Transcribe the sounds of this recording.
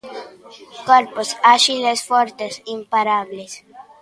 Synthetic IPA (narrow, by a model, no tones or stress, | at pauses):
koɾposaʃilesfoɾt̪esimpaɾaβles